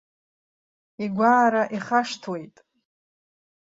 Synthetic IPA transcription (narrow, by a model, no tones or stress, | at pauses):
iɡʷaːɾaʔiχaʂtʰwe̞jtʼ